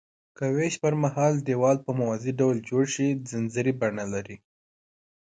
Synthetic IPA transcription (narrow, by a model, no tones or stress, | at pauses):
kəweʃpəɾmaɦɑld̪ewɑlpəmawɑziɖawld͡ʒoɽʃid͡zɪnzəɾibaɳalaɾi